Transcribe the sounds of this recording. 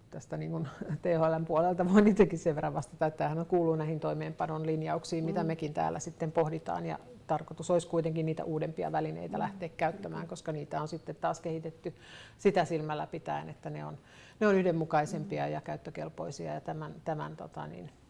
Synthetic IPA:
t̪æst̪æniːŋkunt̪eːholempuolelt̪ɑʋoinit̪ekisseʋerɑʋʋɑst̪ɑt̪ɑet̪ːæːhænoŋkuːlːunnæihint̪oimeːmpɑnonlinjɑuksiːmmit̪æmekint̪æ̰ːlːæsit̪ːempohdit̪ɑ̰ːnjɑ̰ | t̪ɑrkot̪usoiskuit̪eŋkinniːt̪æ̰ʔuːdempiɑ̰ʋælinḛit̪ælæht̪eːkkæyt̪ːæmæ̰ːŋkoskɑniːt̪æonsit̪ːet̪t̪ɑːskehit̪et̪ːy | sit̪æsilmælːæpit̪æ̰inet̪ːæneon | neonyhdemmukɑisempiɑjɑkæyt̪ːøkḛlpo̰isiɑ̰jɑt̪æmænt̪æmæ̰nt̪o̰t̪ɑ̰nḭn

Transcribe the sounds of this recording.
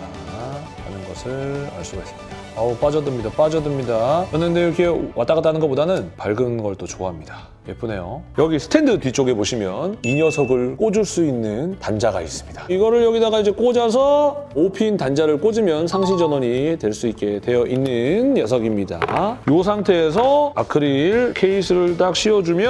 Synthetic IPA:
a | a̰nɯnɡʌsʰɯɭa̰ɭs͈uɡais͈ɯ̥mɲidaop͈ad͡ʑʌdɯmɲidap͈ad͡ʑʌdɯmɲidajʌnːɯnde̞iɾʌkʰe̞wat͈aɡat͈anɯnɡʌp͈odanɯnpaɭɡɯnɡʌɭt͈ot͡ɕoɦamɲida | je̞pʰune̞jojʌɡisʰɯ̥tʰe̞ndɯtit͡ɕ͈oɡe̞poɕʰimjʌniɲjʌsʰʌɡɯɭk͈od͡ʑuɭs͈uinːɯntand͡ʑaɡa̰is͈ɯ̥mɲidaiɡʌɾɯɭjʌɡidaɡaid͡ʑe̞k͈od͡ʑas̬ʰʌopʰintand͡ʑaɾɯɭk͈od͡ʑimjʌnsʰaŋɕ̬ʰid͡ʑʌnwʌɲitwe̞ɭs͈uit̚k͈e̞twe̞jʌʔinːɯnjʌs̬ʰʌɡimɲida̰jos̬ʰaŋtʰe̞ːs̬ʰʌa̰kʰɯɾiɭkʰe̞isʰɯɾɯɭt͈ak̚ɕ͈ʰiʌd͡ʑumjʌ

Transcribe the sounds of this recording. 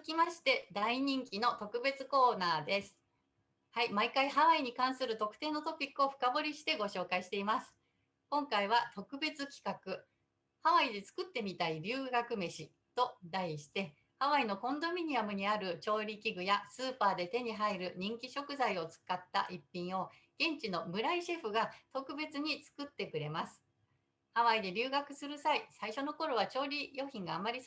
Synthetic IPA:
kʲimaɕi̥t̪e̞d̪aiɲ̟ĩŋkʲino̞t̪o̞kɯ̟be̞t͡sɨko̞ːnaːd̪e̞sɨ̥ | haimaikaihaβaiɲ̟ikãɰ̃sɨɾɯ̟t̪o̞kɯ̟̥t̪e̞ːno̞t̪o̞pʲikːɯo̞ɸɯ̟̥kabo̞ɾʲiɕi̥t̪e̞ɡo̞ɕo̞ːkaiɕi̥t̪e̞imasɨ̥ | kõ̞ŋkaiβ̞at̪o̞kɯ̟be̞t͡sɨkʲi̥kakɯ̟ | haβaid̪e̞t͡sɨ̥kɯ̟t̪ːe̞mʲit̪aibʲɨːɡakɯ̟me̞ɕi | t̪o̞d̪aiɕi̥t̪e̞ | haβaino̞kõ̞nd̪o̞mʲiɲ̟iamɯ̟ɲ̟iaɾɯ̟t͡ɕo̞ːɾʲikʲiɡɯ̟jasɨːpaːd̪e̞t̪e̞ɲ̟iɦaiɾɯ̟ɲ̟ĩŋkʲiɕo̞kɯ̟zaio̞t͡sɨ̥kat̪ːa̰ʔipʲːĩɰ̃o̞ | ɡ̥ẽ̞ɲ̟t͡ɕino̞mɯ̟ɾaiɕe̞ɸɯ̟ɡat̪o̞kɯ̟be̞t͡sɨɲ̟it͡sɨ̥kɯ̟t̪ːe̞kɯ̟ɾe̞masɨ̥ | haβaid̪e̞ɾʲɨːɡakɯ̟sɨɾɯ̟saisaiɕo̞no̞ko̞ɾo̞βat͡ɕo̞ːɾʲijo̞ːçĩŋɡaːmːaɾʲi

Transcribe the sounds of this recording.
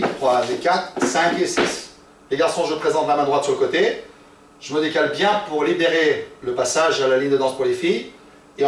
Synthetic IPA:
t̪χwamekat̪χsɛ̃kesis | leɡaʁsɔ̃ʒəpχezɑ̃t̪lamɛ̃d̪ʁwat̪syʁləkot̪e | ʒ̥əməd̪ekalbjɛ̃puʁlibeʁeləpasaʒalaliɲd̪əd̪ɑ̃spuʁlefij | ẽ

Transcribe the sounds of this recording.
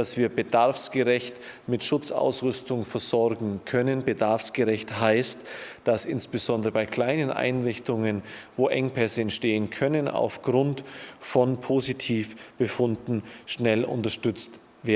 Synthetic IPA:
dasv̥iːɐbədaɐfsɡ̥əʁɛçtmɪtʃʊt͡sa̰ʊsʁʏstʊŋfɛɐzɔɐɡŋ̩kʰœnənbədaɐfsɡ̥əʁɛçthaɪstd̥asʔɪnsb̥əzɔndəʁəbaɪkʰl̥aɪnənʔa̰ɪnʁɪçtʊŋənvoːʔɛŋpʰɛsəɛntʃteːənkʰœnəna̰ʊfɡ̥ʁʊntfɔnpʰoːzitʰiːfb̥əfʊndn̩ʃnɛlʔʊ̰ntɐʃtʏt͡st | veːɐ

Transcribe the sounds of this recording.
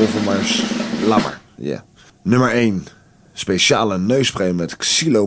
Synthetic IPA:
ovəmaɹslɑ̰mə̰ɹja̰ | nɵməɹejn | spejʃaːlənøɥsprejmɛtksilo

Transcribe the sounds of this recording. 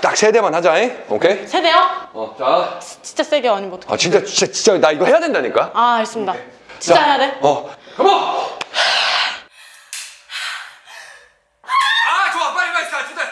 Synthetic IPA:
t͈ak̚sʰe̞de̞manhad͡ʑanaeo̰kʰesʰede̞joat͡ɕi̥nt͡ɕ͈as͈eɡeʌɲimbotʰa̰t͡ɕint͡ɕ͈at͡ɕt͡ɕat͡ɕit͡ɕ͈anaiɡʌhejadwendaɲik͈aamaɭs͈ɯmɲidat͡ɕiat͡ɕaɦe̞jadeʌkɯmo | at͡ɕoaakaiat͡ɕoa

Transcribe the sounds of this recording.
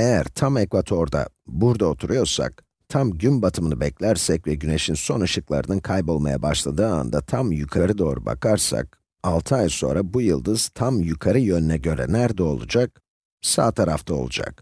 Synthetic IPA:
ejæɾt̪ʰamekvat̪ʰo̞ɾd̪a̰ | buɾd̪ao̞t̪ʰuɾujo̞ɾsa̰k̚ | t̪ʰamɟymbat̪ʰɯmɯnɯbɛclʲæɾsɛcvɛɟyne̞ʃinso̞naʃɯklˠa̰ɾɯnɯnkʰajpo̞lˠmaja̰baʃlˠad̪ɯːa̰nd̪at̪ʰamjykʰaɾɯd̪o̞ːɾuba̰kʰaɾsa̰k̚ | alˠt̪ʰɯajso̞̰nɾabujɯlˠd̪ɯz̥t̪ʰamjukʰaɾɯjø̞nynɛɟø̞ɾɛ̰næɾd̪ɛo̞lˠud͡ʒak̚ | sa̰ːt̪ʰaɾaft̪ʰaolˠud͡ʒa̰k

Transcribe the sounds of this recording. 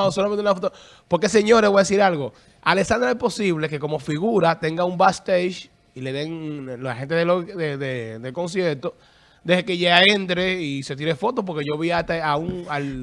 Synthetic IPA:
osolamẽnunafot̪o | po̞ɾke̞seɲo̞ɾeβojaðes̬iɾalɣo̞ | alesand̪ɾaespo̞siβle̞ke̞komo̞fiɣuɾat̪e̞ŋɡaumbast̪ejʃ | ile̞ðe̞ŋloahe̞nt̪eðelod̪eðed̪e̞lko̞ns̬je̞ɾt̪o̞ | d̪e̞hekeʝaaent̪ɾe̞ise̞t̪̬iɾefo̞t̪op̬o̞ɾke̞ʝoβiat̪aauŋal

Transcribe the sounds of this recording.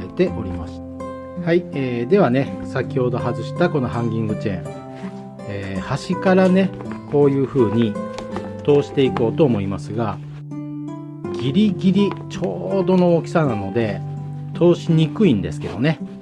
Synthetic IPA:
e̞t̪e̞ʔo̞ɾʲimaɕi̥t | haieːd̪e̞β̞ane̞sakʲiho̞d̪o̞hazɨɕi̥t̪ako̞no̞ɦãŋɡʲĩŋɡɯ̟t͡ɕẽ̞̰ | eːhaɕikaɾane̞ko̞ːjɯ̟ːɸɯ̟ːɲ̟i | t̪o̞ːɕi̥t̪e̞iko̞ːt̪o̞ːmo̞imasɨɡa | ɡʲiɾʲiɡʲiɾʲit͡ɕo̞ːd̪o̞no̞okʲi̥sanano̞d̪e̞ | t̪ʰo̞ːɕiɲ̟ikɯ̟ĩnd̪e̞sɨ̥ke̞d̪o̞ne̞

